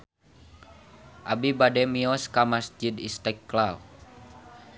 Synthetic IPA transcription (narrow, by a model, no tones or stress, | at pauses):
ʔabibadɛmiɔskamasd͡ʒid̪ḭst̪ɛkːlaw